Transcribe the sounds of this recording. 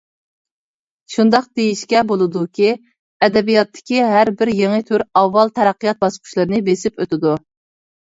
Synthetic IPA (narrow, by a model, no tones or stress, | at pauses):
ʃund̪ɑq̚d̪̥ejiʃkʲɛbolˠɨd̪ukʲʰi | ɛd̪ɛbijɑt̪ʰːɪ̥kʲiɦæɾbɪɾjeŋɨt̪ʰyɾɑvːɑlˠt̪ʰɛɾæqːijɑt̪̚bɑsqʰʊ̥ʃlˠɨɾɨnɨbesɪpøt̪ɪd̪u